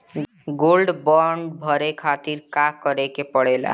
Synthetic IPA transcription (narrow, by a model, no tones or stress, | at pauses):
ɡolɖbɔɳɖbʱʌɾekʰat̪iɾkakʌɾekepəɽela̰